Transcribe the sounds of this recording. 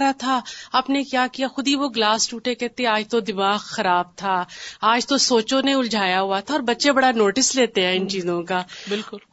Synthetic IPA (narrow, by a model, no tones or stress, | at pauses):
ɾat̪ʰaɐːpnekjaːkijaxʊd̪ʱiʋoɡlaːsʈuːʈekɛɦt̪eɦɛ̃aːd͡ʒt̪od̪ɪmaːɣxɐɾaːb̚t̪ʰaaːd͡ʒt̪osoːt͡ʃõneʊld͡ʒʱaːjaɦuat̪ʰaɔːɾbɐtːʃebɐɽanoːʈɪsleːt̪eɦɛ̃ːɪnt͡ʃiːzõkaːbɪlkʊl